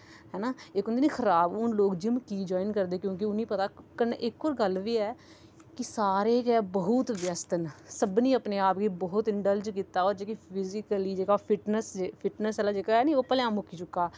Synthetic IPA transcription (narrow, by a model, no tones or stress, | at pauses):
ɦɛːnaːekʊnd̪eːniːxʰəɾaːbʊnloːkd͡ʒɪmkiːd͡ʒɔːɪnkəɾd̪eːkjõːk̬ɪʊnĩːpət̪aːkənʔɪkːoːɾɡəlʋiːɛː | kɪsaːɾeːkɛːbəɦʊt̪ʋjəst̪ənsəbniːəpneːaːpɡiːbɔːʊt̪ɪɳɖəld͡ʒkiːt̪aːoːɾd͡ʒeːkipʰɪzɪkəliːd͡ʒeːɡaːpʰɪʈnəsepʰɪʈnəsɛːlaːd͡ʒeːkaːɦɛːniːoːpəljãːmʊkʰːiːt͡ʃʊkːaː